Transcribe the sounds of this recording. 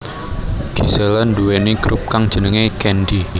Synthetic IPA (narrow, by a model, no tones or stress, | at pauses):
ɡ̥i̤selɔnduweniɡ̥ɾup̚kaŋd̥ʒ̥ə̤nəŋekɛnɖi